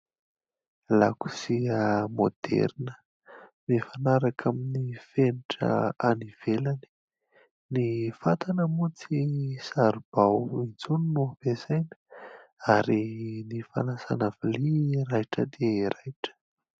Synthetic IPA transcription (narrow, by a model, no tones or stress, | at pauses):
laku̥siəmod̪̥ḛɾnə̥ | mefanaɾakʰaminifeniʈ͡ʂə̰aniv̥elani̥ | nifat̪anəmut͡sisaɾub̥awind͡zuninovezajnə̥aɾinifa̰nasa̰naviliɾajʈ͡ʂəd̪eɾajʈ͡ʂə̥